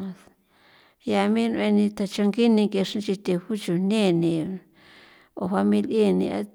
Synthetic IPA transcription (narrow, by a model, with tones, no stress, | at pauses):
ja˧mĩ˦˧ñ˧ẽ˧nĩ˧t̪a˨˧t͡ʃa˧ŋɡi˦nĩ˧ŋke˧ʂĩ˦t͡ʃi˧t̪e˧ɸu˦t͡ʃu˨nẽ˦˨nĩ˧ | o̰˧ɸa˧mĩ˧li˦˨nĩ˧a̰˧˦